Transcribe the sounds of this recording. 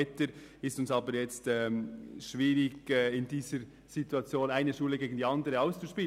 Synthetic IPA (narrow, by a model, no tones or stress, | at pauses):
ɛtəɾ | ɪstʊnsɑːbəɾjɛt͡stɛːmʃviːɾɪɡɛːɪndiːzəɾ | z̥ituɑt͡sjoːnaɪnəʃuːləɡeːɡn̩diɑndəʁəaʊst͡suʃpiːl